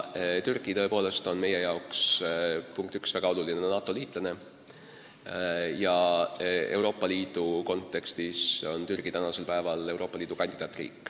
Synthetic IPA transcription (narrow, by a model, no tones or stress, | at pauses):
t̪yrɡ̥it̪ɤ̞e̞po̞ːle̞st̪o̞nme̞je̞jɑokspuŋk̚t̪yksvæɡ̥ɑo̞lulinenɑːt̪ːˑo̞liːt̪ˑlɑne̞ | jɑ | e̞̰wɾo̞ːpːˑɑliːd̪̥uko̞nt̪ːˑe̞kst̪iso̞nt̪yrɡ̥it̪ænɑse̞lpæevɑle̞wɾo̞ːpːˑɑliːd̪ukɑnʲd̪id̪ɑːt̪ːˑrḭːkːˑ